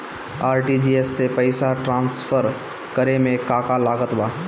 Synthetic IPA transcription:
aːɾʈid͡ʒiesːepəɪsaʈɾãːnsfʰəɾ | kəɾemẽkaːkalaːɡət̪baː

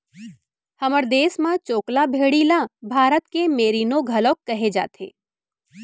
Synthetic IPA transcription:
hɐməɾd̪eːsmãt͡ʃoːklabʱeːɽilabʱaːɾət̪kemeːɾiːnoɡʱɐloːkːɐɦed͡ʒa̰ːt̪ʰḛː

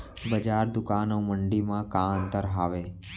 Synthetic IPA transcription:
bəd͡ʒaːɾd̪ʊkaːnõməɳɖimãkãənt̪əɾɦaːʋe

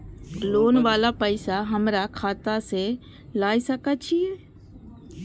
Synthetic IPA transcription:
loːnʋaːlapəɪsaɦəmɾakʰaːt̪ase | laːisəkat͡ʃʰiɛː

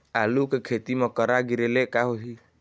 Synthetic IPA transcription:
alukekʰet̪imɔkɔɾaɡiɾelekaɦoɦi

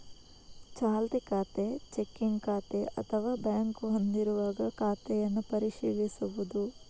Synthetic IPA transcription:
t͡ʃaːlt̪ekaːt̪et͡ʃekːiŋɡkaːt̪eʔɐ̰t̪ʰɐʋaːbjaːŋkuɦond̪iɾuʋaːɡɐkaːt̪ɛjɐnːupɐɾiʃiːʋisuʋud̪u

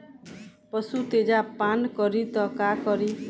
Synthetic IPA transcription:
pɔsut̪ed͡ʒapankɔɾit̪ɔkakɔɾi

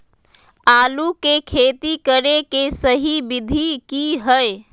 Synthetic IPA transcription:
alukekʰet̪ikəɾekesəɦibid̪ʱikiɦəj

